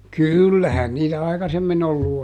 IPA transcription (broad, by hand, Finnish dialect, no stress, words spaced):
kyˑlːæhæn niːtæ ɑikɑsemːin olːu